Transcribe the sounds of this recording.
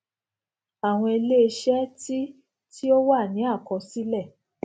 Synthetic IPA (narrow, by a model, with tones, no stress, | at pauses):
a˨w̃ɔ̃˧e˧le˦e˧ʃɛ˦ti˦ | ti˦o˦wa˦˨nĩ˨˦a˦˨kɔ˧si˦lɛ˦˨